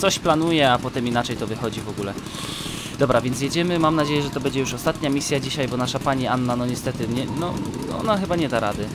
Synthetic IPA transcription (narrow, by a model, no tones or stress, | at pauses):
t̪sɔɕplanujɛapɔt̪ɛminat͡ʂɛjt̪ɔvɘxɔd͡ʑivɔɡulɛ | d̪̥ɔbɾavʲjɛnsʲjɛd͡ʑɛmɘmamnad͡ʑejɛʐɛt̪ɔbɛɲd͡ʑɛjuʂɔst̪at̪ɲamʲisʲjad͡ʑiɕajbɔnaʂapaɲianːanɔɲɛst̪ɛt̪ɘɲɛnɔɔ̰naxɘbaɲɛd̪aɾad̪ɘ